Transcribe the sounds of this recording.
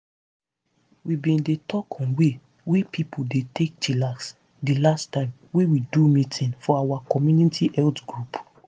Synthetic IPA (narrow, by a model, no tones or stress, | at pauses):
wibĩndetʰɔkʰɔ̃nwe | wepʰipʰudetek̚t͡ʃʰilaks | dilastãɪ̃m | wewidumĩtʰĩnfɔawakɔmjunitʰiʔɛltɡɹup